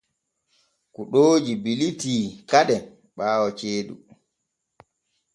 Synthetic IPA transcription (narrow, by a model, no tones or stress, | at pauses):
kuɗoːd͡ʒibilitiːkaɗɛ | ɓaːwɔt͡ʃeːɗṵ